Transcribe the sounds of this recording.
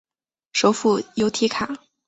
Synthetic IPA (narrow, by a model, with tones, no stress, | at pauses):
ʂo˧˥ʊfu˥˩jo˧˥ʊt̪ʰi˧˥kʰa˨˩˦